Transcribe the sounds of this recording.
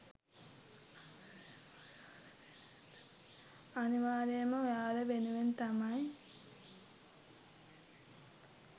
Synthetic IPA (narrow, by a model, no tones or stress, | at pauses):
ɐniʋaːɾijɐmɐjaːleʋenuʋent̪ɐmaj